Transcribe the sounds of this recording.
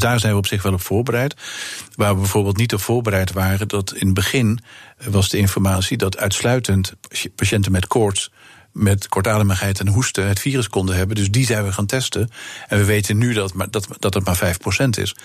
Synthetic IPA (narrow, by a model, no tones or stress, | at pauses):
daːɹzɛjnʋəɔpsɪχʋɛlˠɔpfʊːɹbərɛjtʋaːɹʋəbɛjvʊːɹbɪːlˠt̬nitɔpfʊːɹbərɛjtʋaːrədɑtɪnbəχɪnʋɑzdəɪnfɔɹmaːtsidɑtʰœ̰ɥtslœɥtəntpaʃɛntənmɛtkɔɹt | mɛtkɔɹtaːdəməχɦɛjtɛnɦustəɦətfiːrəskɔndəɦɛbəndɵzdizɛjnʋəχaːntɛstənɛnʋəʋejtənːydtːd̥ɑtɑtmaːɹvɛjfprowsɛntɪ̰s